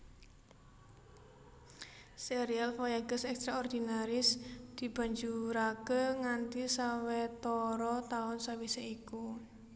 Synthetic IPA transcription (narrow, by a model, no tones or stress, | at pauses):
seɾialfɔjaɡ̥əsɛkst̪ɾaɔrd̪̥inaɾɪsd̪̥i̤b̥a̤ɲd͡ʒuɾakeŋant̪isawɛt̪ɔɾɔt̪aʊnsawiseiku